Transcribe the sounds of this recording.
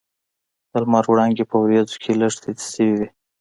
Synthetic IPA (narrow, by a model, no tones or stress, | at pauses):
d̪̥əlmɑɾwɽɑŋɡepəwɾjɑzokʰeləʂt̪et̪səwiwi